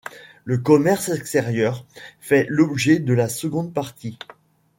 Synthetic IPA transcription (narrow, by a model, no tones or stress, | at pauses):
ləkɔmɛʁsɛkst̪ɛʁjœʁfɛlɔbʒɛd̪əlasəɡɔ̃d̪̚paʁt̪i